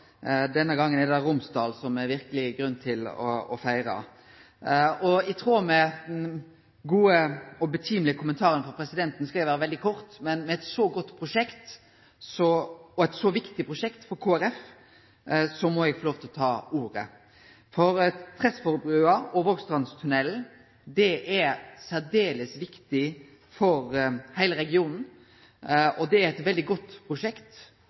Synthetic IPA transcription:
d̪ɛnːəɡɑŋːənɛd̪ɑɾʊmsd̪ɑːlsɔmɛɾʋɪɾkəlɪɡɾʉnːt̪ʰɪlɔ̰ɔfæɪɾɑ̰ | ɔɛɡt̪ʰɾuːɾmɛ | ɡuːəɔbət̪ʰyːmlɪəkʰʊmənt̪ʰɑːɾənfɔɾpʰɾɛsɪd̪ɛnt̪n̩skɑɛɪʋæːɾəʋɛld̪ɪkʰɔɾt̪mɛnmɛɛt̪sɔɡɔt̪ːpʰɾʊʂɛkt̪ | sɔɔɛt̪sɔʋɪkt̪ɪpʰɾʊʂɛkt̪fɔɾkʰoːæɾɛf | sɔmɔɛɡfɔloːʋt̪ʰɪlɔt̪ʰɑːuːɾə̰ | fɔɾt̪ʰɾɛsfɔɾbɾʉːɑɔʋəɔɡst̪ʁɑnst̪ʰʉnɛl̩ | d̪ɛʔæɾsæɾd̪eːləsʋɪkt̪ɪ | fɔɾhæɪləɾɛɡɪuːnn̩ | ʔɔd̪ɛæɾɛt̪ʋɛld̪ɪɡɔt̪ːpʰɾʊʂɛkt̪

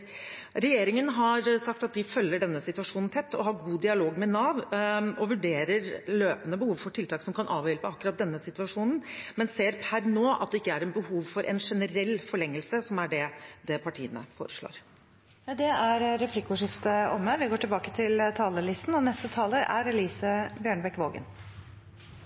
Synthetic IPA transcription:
ɾɛjeːɾɪŋənɦɑɾsɑkt̪ɑt̪̚d̪ɪfœlːəɖɛnːəsɪt̪ʋɑʂuːnn̩t̪ʰɛt̪ːɔ̰ɦɑːɾɡuːd̪ɪɑloːɡmɛnɑːʋɔʋʉɖeːɾəɾløːpənəbəhuːʋfɔʈʰɪlt̪ɑːksɔmkʰɑnʔɑːʋjɛlpəɑkːʉɾɑt̪̚d̪ɛnːəsɪt̪ʉɑʂuːnn̩mɛnseːɾpʰæɾnoːʔɑ̰t̪̚d̪ɛɪkːəæɾɛnbəhuːʋfɔɾʔɛ̰nʂɛnəɾɛlːfɔɭɛŋːəlsəsɔmæɖɛd̪ɛpʰɑʈʰiːənə̰fo̰ːɾəʂɭo̰ːɾ | d̪ɛæɾɾɛpʰlɪkːʊʂɪft̪əɔmːəʋɪɡoːʈɪlbɑːkət̪ʰɪlt̪ʰɑːləlɪst̪n̩ɔnɛst̪ət̪ʰɑːləɾæ̰ɾɛliːsəbjøːɳəbɛkʋoːɡə̰n

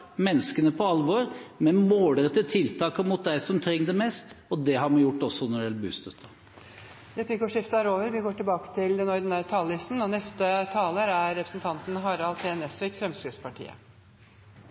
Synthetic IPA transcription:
mɛnːəskənəpʰɔɑlʋoɾmɛnmoːlɾət̪ət̪ʰɪlt̪ʰɑːkəmʊt̪̚d̪æɪsɔmt̪ʰɾɛŋːd̪ɛmɛst̪ɔd̪ɛɦɑɾmɛjʊʈːɔsɔnɔɖɛlbʉ̰ːst̪œt̪ʰːɑ | ɾɛpʰlɪkːɔʂɪft̪æɾoːʋəɾʋɪɡoːʈɪlbɑːkə̥t̪ʰɪld̪ɛnɔɾd̪n̩æɾət̪ʰɑːlːɪst̪n̩ɔnɛst̪ət̪ʰɑːləɾæɾːɛpɾəsn̩t̪ʰɑnt̪n̩ɦɑːɾɑlp̪ʰeːɛnɛsʋɪkfɾɛmskɾʉd̪spʰɑʈʰḭːə̰

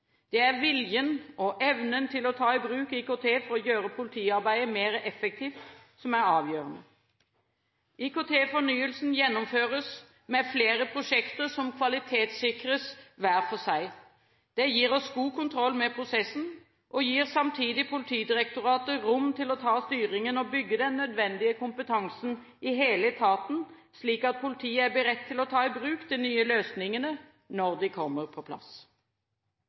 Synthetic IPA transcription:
d̪̥ɛæʁʋɪljənɔʔɛʋnənt̪ʰɪlɔt̪ʰɑːɪbɾʉːkikot̪ʰeːfɔɾɔjøːɾəpʰʊlt̪ʰiːɑɾbæɪəmeːɾəʔɛfək̚t̪ʰiːft̪ | sɔmæɾɑːʋjøːɾənə | ikot̪ʰeːfɔnyːəlsnjɛnːɔmføːɾəs | mɛfleːɾəpʰɾʊʂɛkt̪əɾsɔmkʰʋɑlɪt̪ʰeːt̪sɪkɾəsʋæːɾfɔsæɪ | d̪̥ɛjiːɾɔsɡuːkʊnt̪ʰɾɔlːmɛpʰɾʊsɛsn̩ | ʔɔjiːʁsɑmt̪ʰiːd̪ɪpʰʊlɪt̪ʰiːd̪ɪɾɛkt̪ʊɾɑːt̪əɾʊmt̪ʰɪlɔt̪ʰɑːst̪yːʁɪŋənɔbʏɡːəd̪ɛnːœd̪ʋɛnd̪ɪəkʰʊmpət̪ʰɑŋsn | ɪɦeːlət̪ʰɑːt̪n̩ | sliːkɑt̪̚pʰʊlɪt̪ʰiːəæɾbɪɾɛt̪ʰːɪlɔt̪ʰɑːɪbɾʉːkd̪ɪnyːəløːsnɪŋənə | nɔʁd̪ɪkʰɔmːəʁpʰɔpʰlɑ̰s

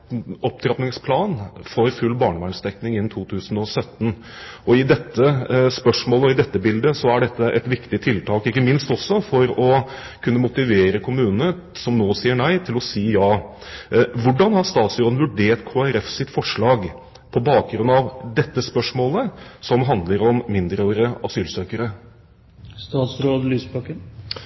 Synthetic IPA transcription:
ɔpt̪ʰɾɑpnɪŋspʰlɑːnfɔɾfʉlːbɑːɳəʋæːɳst̪ɛknɪŋɪn̩ːt̪ʰuːt̪ʰʉːsn̩ɔsœt̪ːn̩ | ɔɪd̪ɛt̪ːəspœʂmoːləɔɪd̪ɛt̪ːəbɪld̪əsɔæɖɛt̪ːəʔɛt̪ʋɪkt̪ɪt̪ʰɪlt̪ʰɑːkɪkːəmɪnst̪ɔsːɔfɔɾɔ | kʰʉnːəmʊt̪ɪʋeːɾəkʰʊmʉːnənə | sɔmnoːsiːəɳæɪt̪ʰɪlɔsiːjɑː | ʋʊɖːɑnhɑɾʂt̪ɑːt̪sɾoːd̪n̩ʋʉɖeːʈkʰoːæɾɛfsɪt̪fɔʂɭɑːɡ | pʰɔbɑːk̚ɡɾʉnɑʋd̪ɛt̪ːəspœʂmoːləsɔmɦɑnd̪ləɾɔmːɪnd̪ɾəɾəɑsyːlsøːkəɾə | st̪ɑːt̪sɾoːd̪lyːsbɑkən

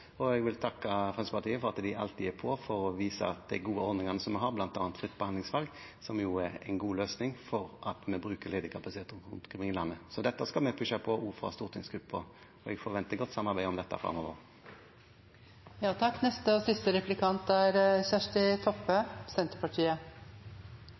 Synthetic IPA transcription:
ɔɛɡʋɪlt̪ʰɑkːəfʁɑnspʰɑʁt̪ʰiːəfɔʁɑt̪d̪ɪɑ̰lt̪ɪæpʰɔfɔɾɔʋiːsə̰ɑt̪̚d̪æɡuːəɔɾd̪nɪŋɑnəsɔmːɛɦɑɾblɑnt̪ɑːnt̪fɾɪt̪ːbɛhɑnd̪lɪŋsʋɑlɡsɔmjuæɾɛnɡuːløːsnɪŋfɔɾʔɑt̪mɛbɾʉːkəɾleːd̪əkʰɑpɑsɪt̪ʰeːt̪əʁʊ̰nt̪ɡʰɪmɪŋlɑnːəsɔd̪ɛt̪ːəskɑlmɛpʰʉʃɑpʰɔuːfʁɑ̰st̪uːʁt̪ʰɪŋsɡɾʉpːɔ | ɔɛɡfɔɾʋɛnt̪əɡɔt̪ːsɑmːɑɾbæɪɔmd̪ɛt̪ːə̰fɾɑ̰mɔʋə̰ʁ | jɑːt̪ʰɑkːnɛst̪əɔsɪst̪əɾɛplɪkʰɑnt̪æɾçæʂʈɪt̪ʰɔpːəsɛnt̪əpɑʈʰiːə

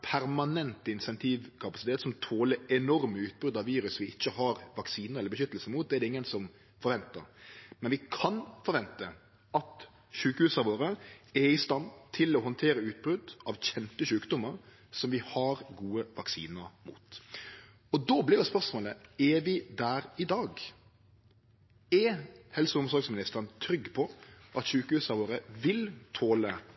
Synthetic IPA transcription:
pʰæɾmɑnɛnt̪əɪnsɛnt̪ʰiːʋkʰɑpɑsɪt̪ʰeːt̪sɔmt̪ʰoːləɾɛnɔɾməʉːt̪̚bɾʉd̪ɑʋʋiːɾʉsʋɪɪçːəhɑɾʋɑksiːnəɾɛlːəbəʃʏt̪ːəlsəmuːt̪̚d̪ɛɖɛɪŋːənsɔm | fɔɾʋɛnt̪əɾmɛnʋɪkʰɑnfɔɾʋɛnt̪ə | ɑt̪ | ɕʉːkəhʉːsɑʋoːɾəɛɪst̪ɑnd̪t̪ʰɪlɔɦɔnt̪ʰeːɾəʉːt̪̚bɾʉd̪ʔɑʋçɛnt̪əɕʉːkd̪ʊmːəɾ | sɔmʋɪhɑɾɡuːəʋɑksḭːnəɾmṵːt̪ | ɔd̪oːblɪɾd̪ɛspœɾʂmoːləɛʋɪd̪æːɾɪd̪ɑːɡ | ɛhɛlsʊʊmsɔɾksmɪnɪst̪əɾnt̪ʰɾʏɡːpʰɔʔɑt̪ɕʉːkəhʉːsɑɾʋoːɾəʋɪlt̪ʰoːlə

